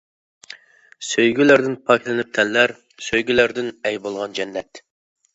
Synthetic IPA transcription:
søjɡʲylæɾd̪ɪnpʰɑkʲʰlˠɪnɪp̚t̪ʰɛlːæɾ | søjɡʲylæɾd̪ɪnɛjbolˠʁɑnd͡ʒɛnːɛt̪

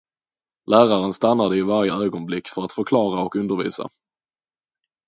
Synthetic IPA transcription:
lʔæːɾaɾənst̪anːad̪əɪvaɾjəøːɡɔnblɪkːfœɾat̪fœɾkʰlɑːɾaɔkɵnd̪əɾvḭːsa̰

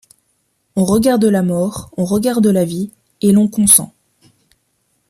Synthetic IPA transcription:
ɔ̃ʁəɡaʁd̪əlamɔʁɔ̃ʁəɡaʁd̪əlavi | elɔ̃kɔ̃sɑ̰̃

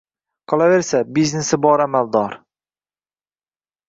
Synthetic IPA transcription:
qʰɒlˠave̞ɾsabiznesɪbɒɾamald̪ɒɾ

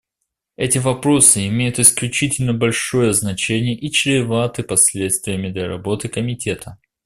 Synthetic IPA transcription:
ɛtʲɪvɐpɾo̞sɨɪmʲejʊt̪ɨsklʲʉt͡ɕitʲɪlʲnəbɐlʲʂo̞jəznɐt͡ɕenʲɪjəʔit͡ɕɾʲɪvat̪ɨpɐsʲlʲe̞t̪st̪vʲɪjəmʲɪd̪lʲɐɾɐ̰bo̞t̪ɨkəmʲɪtʲe̞t̪ʰə

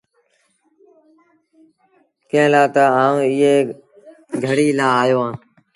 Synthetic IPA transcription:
kẽːlaːt̪aaːũːɪːeː | ɡʱəɽiːlaːaːjoːãː

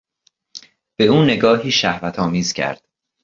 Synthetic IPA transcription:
b̥e̞uːne̞ɡɒːhiːʃæhvæt̪ʰɒːmiːz̥cʰæ̰ɾd̪̥

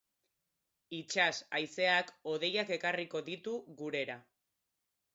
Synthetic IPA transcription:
it͡ʃasajse̞ako̞ð̞e̞jake̞kariko̞ðit̪uɣuɾe̞ɾa

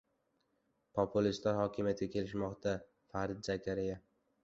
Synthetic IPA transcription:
pʰopʰʊlist̪laɾhɒkʲʰɪmijat̪ɡʲakʲʰe̞lɪʃmɒqt̪ʰa | faɾɪd̪̚d͡ʒakʲʰaɾɪja

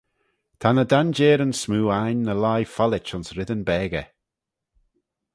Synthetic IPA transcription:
t̪ʰanədand͡ʒɛːɾənsmuːajnːəlajfalɪt͡ʃʊnsɾɪd̪ənbɛːɡə

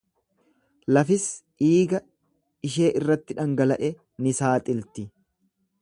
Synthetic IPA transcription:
lɐfɪs | iːɡɐ | ɪʃ̬e̞ːʔɪrːɐt̪ːɪᶑɐŋɡɐlɐʔɛ | nɪsaːt̪ʼɪlt̪ɪ

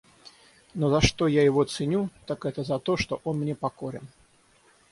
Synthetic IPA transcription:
nɔzɐʂt̪ɔjajɪvɔt̪sɨnʲut̪akɛt̪əzɐt̪ɔʂt̪ɔʔɔnmnʲɛpakɔɾʲɛ̰n

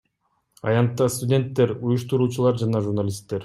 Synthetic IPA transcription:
ɑ̰jɑnt̪ːɑst̪ʊdʲe̞nt̪ːe̞ɾujuʃt̪uɾuːt͡ʃulˠɑɾd͡ʒɑnɑʒuɾnalʲist̪ːe̞ɾ

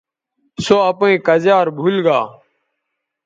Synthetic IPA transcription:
soːəpẽːkəzaːɾbʱulɡaː

